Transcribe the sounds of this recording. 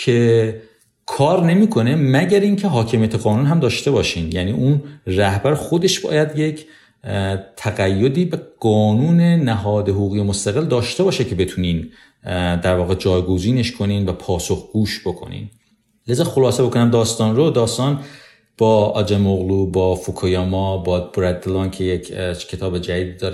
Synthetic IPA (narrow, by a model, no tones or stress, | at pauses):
cʰe̞ | kʰɒːɾne̞miːkʰo̞ne̞mæɟæɾiːncʰe̞ɦɒːcʰe̞mijæt̪ʰeɣɒːnuːnɦæmd̪ɒːʃt̪e̞bɒːʃiːnjæniːʔunræhbæɾxo̞d̪e̞ʃb̥ɒ̰ːjæd̪je̞cʰ | t̪ʰæɣæjːo̞d̪iːbeɡ̥ɒːnuːne̞næɦɒːd̪eɦoɣuːɣijemost̪æɣeld̪ɒːʃt̪e̞bɒːʃecʰe̞be̞t̪ʰuːniːn | d̪æɾvɒːɣed͡ʒɒːjɡoziːne̞ʃkʰo̞niːnvæpʰɒːso̞xɡ̥uːʃb̥o̞kʰo̞̰nḭːn | lezɒːxo̞lɒːsebo̞kʰonæmd̪ɒːst̪ɒːnɾod̪ɒːst̪ɒːn | b̥ɒːɒ̰d͡ʒemoɣluːbɒːfokʰojɒːmɒbɒːd̪̚boɾæd̪ːelɒːncʰejekʰcʰe̞t̪ʰɒːbed͡ʒæd̪iːd̪iːd̪ɒːɾe